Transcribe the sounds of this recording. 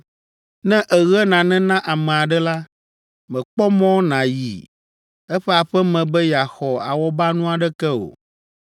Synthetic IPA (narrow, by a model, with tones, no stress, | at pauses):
nɛ̃˦ʔɛ˨ɣɛ˦nã˨nɛ̃˦nã˦ʔa˨mɛ̃˨a˨ɖɛ˦la˦ | mɛ̃˨k͡pɔ˦mɔ̃˦nã˨jḭ˨ | ɛ˦ɸɛ˦a˨ɸɛ˦mɛ̃˨bɛ˦ja˨xɔ˨a̰˨wɔ˦ba˦nũ˦a˨ɖɛ˦kɛ˦o̰˨